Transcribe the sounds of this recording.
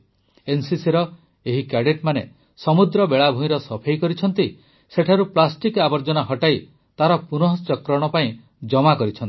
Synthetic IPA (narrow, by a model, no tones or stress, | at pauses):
ensisiɾɔ | eɦikaɖeʈmane | sɔmud̪ɾɔbeɭabʱũĩɾɔsɔpʰejkɔɾit͡ʃʰɔnt̪i | seʈʰaɾuplasʈikabɔɾd͡ʒɔnaɦɔʈaj | t̪aɾɔpunɔɦɔst͡ʃɔkɾɔɽ̃ɔpaĩ | d͡ʒɔmakɔɾit͡ʃʰɔni